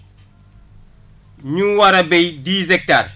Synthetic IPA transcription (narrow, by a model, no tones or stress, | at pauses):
ɲuwɐɾɐbɛjdiːzɛk̚tar